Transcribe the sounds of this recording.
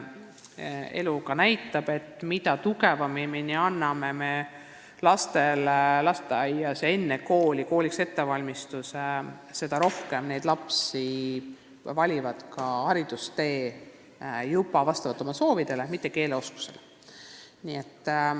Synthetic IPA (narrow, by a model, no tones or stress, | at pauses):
e̞̰lukɑnæjt̪ːˑɑb̥e̞t̪ːˑmit̪ɑt̪uɡe̞vɑmiminiɑnːɑme̞me̞ | lɑst̪e̞llɑst̪eɑjɑsee̞nːeko̞ːlʲiko̞ːlʲikse̞t̪ːe̞vɑlʲmist̪us | se̞d̪̥ɑɾo̞hke̞mne̞jd̪lɑpsi | vɑlʲivɑd̪̥kɑɑɾid̪̥ust̪e̞ː | jubɑvɑst̪ɑvɑt̪ːˑo̞mɑso̞ːvid̪̥e̞le̞mit̪ːˑe̞ke̞ːleo̞sku̥se̞̰le | nie̞t̪ː